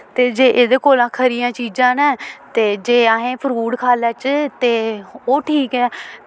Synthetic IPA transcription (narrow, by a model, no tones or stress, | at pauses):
t̪eːd͡ʒeːʔeːd̪eːkoːlaːkʰəɾɪjãːt͡ʃiːd͡ʒãːnɛ̃ːt̪eːd͡ʒeːaːɦẽːpʰəɾuːɽkʰaːlɛːt͡ʃt̪eːoːʈʰiːkɛː